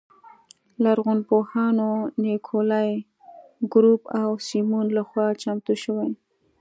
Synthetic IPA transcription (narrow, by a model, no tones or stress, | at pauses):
laɾɣʊnpohɑnonekʰolɑj | ɡɾupawsimunlaxwɑt͡ʃamt̪uʃəwaj